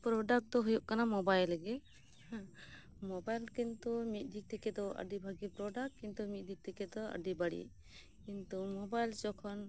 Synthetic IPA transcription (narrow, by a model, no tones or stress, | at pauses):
pɾɔɖak̚t̪ɔɦujɔʔkanamɔbajlɛɡɛ | mɔbajlkint̪umit̪̚ˀd̪ik̚t̪ikɛd̪ɔə̰ɖibʱaɡipɾɔɖakːint̪umit̪̚ˀd̪ik̚t̪ikɛd̪ɔə̰ɖibaɽḭ | kint̪umɔbajld͡ʒɔkʰɔn